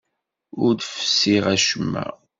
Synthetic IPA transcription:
ʊɾd̪fə̥sːiʁæʃəmːæ̰

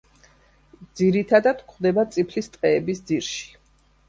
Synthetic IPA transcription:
d̪ziɾit̪ʰad̪ad̪kʰχd̪ɛbat̪sʼipʰlist̪ʼqʼɛːbisd̪ziɾʃi̥

